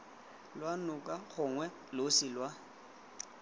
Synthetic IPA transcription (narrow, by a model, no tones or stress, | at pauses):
lwanʊkʼaχʊŋwɛ | losɪlwa